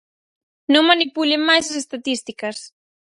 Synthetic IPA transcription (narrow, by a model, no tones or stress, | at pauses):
nõŋmanipulemajsas̬est̪at̪ist̪ikas